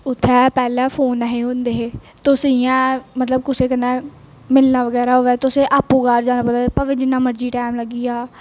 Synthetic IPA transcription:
ʊt̪ʰːɛːpɛːlãːpʰoːnəɦeːɦʊ̃nd̪eː | t̪ʊsiãːmət̪ləb̚kʊseːkənːãː | mɪlnaːʋəɡɛːɾaːɦoːɛːt̪ʊseːʔaːpːuːɡaːɾd͡ʒaːnaːpəaːpəʋɪd͡ʒɪnãːməɾd͡ʒiːʈaːmləɡiːaː

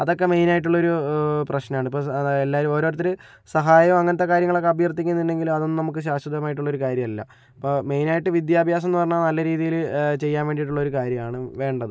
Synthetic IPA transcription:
ɐðo̞kːe̞me̞jnaːjiʈːuɭːɐo̞ɾuprɐɕnɐmaːɳɨipːo̞ːelːaːɾuo̞ːɾo̞ːɾɐt̪ːilɨ | sɐɦaːjɐmɐŋːɐnɐt̪ːekaːɾjɐŋːɐɭo̞kːe̞ɐbjɐrt̪ːikʲːunːɐðinɖe̞ŋɡilumɐðonːɨnɐmukːɨɕ̬aːɕɐd̪ɐmaːjiʈ̬ːuɭːo̞ɾukaːɾjɐmɐlːɐ̰ | ipːoːme̞jnaːjiʈːɨʋid̪jaːbʱjaːs̬ɐnːɨpɐrɐɲːanɐlːɐɾiːðijilt͡ɕe̞jːaːnʋe̞ːɳɖijiʈːuɭːɐo̞ɾukaːɾjɐmaːɳɨʋe̞ːɳɖɐðɨ

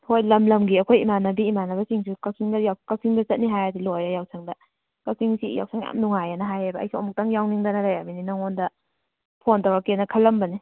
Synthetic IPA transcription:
hojlɐmlɐmɡiɐkʰojimanɐbiːmanɐbɐsiŋsikasʰiŋdɐjawkasʰiŋdɐt͡ʃɐt̚niɦajadilojɾajawsʰaŋdɐ | kasʰiŋsija̰wsʰaŋa̰mnuŋajanɐɦajajbɐ̰ːjsiɔ̰muk̚taŋjawniŋdɐnaɾajamininaŋondɐ | pʰontawakenɐkʰɐlːɐmbɐni

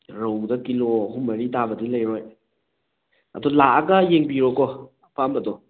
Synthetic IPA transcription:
ɾowdɐkiloɦumɐɾitabɐdilɐjɾɔj | ɐ̰dɔlaaɡɐjeŋbiɾɔkɔ | pʰambɐdɔ

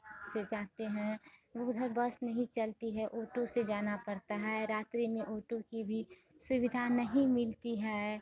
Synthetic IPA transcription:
sed͡ʒaːɦt̪eɦɛ̃ʋʊɡd̪ʱəɾbɐsnɐɦĩt͡ʃɐlt̪iɦɛʔoːʈõsed͡ʒaːnapɐɾt̪aɦɛɾaːt̪ɾimẽʔoːʈõkibʱi | sʊʋɪd̪ʱanɐɦĩmɪlt̪iɦɛː

